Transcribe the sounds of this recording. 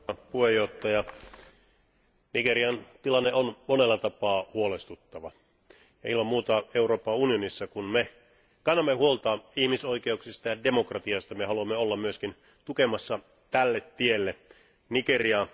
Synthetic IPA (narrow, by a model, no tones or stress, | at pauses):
puhejːoht̪ːɑjɑ | niɡeriɑnt̪ilɑnːeonmonelːɑt̪ɑpɑːhuolest̪ut̪ːɑʋɑ | jɑilmɑmmuːt̪ɑeuro̞ːpːɑunionisːɑkunme | kɑnːɑmːehuolt̪ɑːihmisoikeuksist̪ɑjɑdemokrɑt̪iɑst̪ɑmehɑluɑmːeolːɑmmyøskin | t̪ukemɑsːɑ | t̪ælːet̪tielːe | nikeriɑ